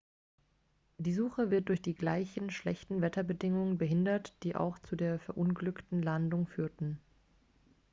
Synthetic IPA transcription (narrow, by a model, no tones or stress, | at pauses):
d̥iːzuːxəvɪɐt̚d̥ʊɐçd̥iːɡlaɪçn̩ʃlɛçtn̩vɛtɐbədɪŋʊŋənbəɦɪndɐtd̥iːʔa̰ʊxt͡sudeːɐfɛɐʔʊnɡlʏktn̩landʊŋfyːɐtn̩